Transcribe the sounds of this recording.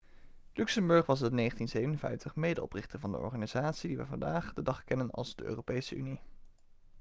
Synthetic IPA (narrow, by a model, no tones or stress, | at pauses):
lyksəmbɵɹχʋɑsəneχəntinzejvənənvɛ̰jftəχmejdəɔ̰prɪχtəɹvɑndə̰ɔ̰ɹχaːniz̥aːtsidiʋə̰vɑ̰ndaːχdədɑχkɛnənɑ̰lˠzdəʔø̰ːrowpejsəʔyni